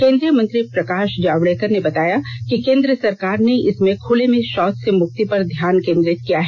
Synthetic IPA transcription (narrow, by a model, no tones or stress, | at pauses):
kẽːnd̪ɾijəmɐ̃nt̪ɾipɾɐkaːʃd͡ʒaːʋɽɛːk̪əɾnebɐt̪aːjakikẽːnd̪ɾəsɐɾkaːɾneɪsmẽkʰʊlemẽʃɔːt̪semʊk̚t̪ipɐɾd̪ʱjaːnkẽːnd̪ɾɪt̪kijaɦɛː